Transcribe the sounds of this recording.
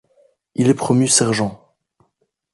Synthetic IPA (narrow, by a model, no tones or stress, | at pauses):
ilɛpχɔmysɛʁʒɑ̃